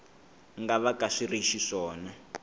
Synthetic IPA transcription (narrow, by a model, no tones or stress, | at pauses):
ŋɡaβakaʂiriʃiʂɔːna